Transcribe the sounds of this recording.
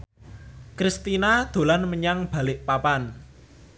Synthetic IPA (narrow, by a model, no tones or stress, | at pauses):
kɾist̪inad̪̥o̤lanməɲaŋb̥a̤lɪʔpapan